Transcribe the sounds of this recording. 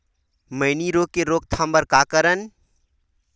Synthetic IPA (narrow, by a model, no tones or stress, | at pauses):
məɪniɾoːk̚kːeɾoːk̚t̪ʰambəɾkaːkəɾən